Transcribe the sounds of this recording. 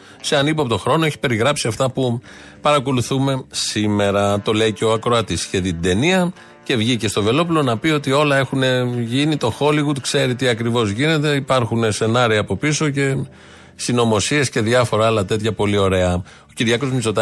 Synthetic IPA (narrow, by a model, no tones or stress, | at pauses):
seɐnip̬oɐpot̪o̞xɾo̞noeçi̥pe̞ɾiɣɾɐpsiɐft̪ɐpu | pɐɾɐko̞luθume̞sime̞ɾɐt̪o̞le̞iceoɐkɾo̞ɐt̪isçeðit̪d̪e̞niɐ | ce̞vʝice̞st̪o̞ve̞lo̞pulo̞nɐpio̞t̪io̞lɐe̞xune̞ʝinit̪o̞xo̞liɣud̪kse̞ɾit̪iɐkɾivo̞zʝine̞t̪e̞ipɐɾxunese̞nɐɾiɐːpo̞piso̞ce̞ | sino̞mo̞sie̞sce̞ðʝɐfo̞ɾɐlɐt̪e̞t̪çɐpo̞lio̞ɾe̞ɐ | o̞ciɾʝɐko̞zmizo̞t̪ɐ